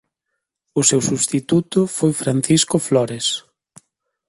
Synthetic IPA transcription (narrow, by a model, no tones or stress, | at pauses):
ʊsewsuβst̪it̪ut̪ʊfojfɾan̟θiskʊflɔɾes